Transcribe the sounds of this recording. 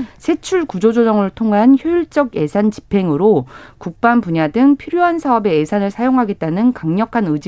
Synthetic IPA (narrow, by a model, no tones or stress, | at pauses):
sʰe̞t͡ɕʰuɭkud͡ʑod͡ʑod͡ʑʌŋɯɭtʰoŋɦançjojiɭt͡ɕ͈ʌɡe̞sʰant͡ɕi̥pʰe̞ŋɯɾokuk̚p͈anpuɲadɯŋpʰiɾjoɦansʰaʌbe̞ːsʰanɯɭsʰajoŋɦaɡe̞t̚t͈anɯnkaŋɲʌkʰanɯd͡ʑ